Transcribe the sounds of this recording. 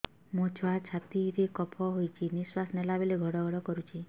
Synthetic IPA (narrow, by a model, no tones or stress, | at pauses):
mõt͡ʃʰɔat͡ʃʰat̪iɾekɔpʰɔɦojt͡ʃʰiniswasnelabeleɡʱɔɽɔɡʱɔɽɔkɔɾut͡ʃʰi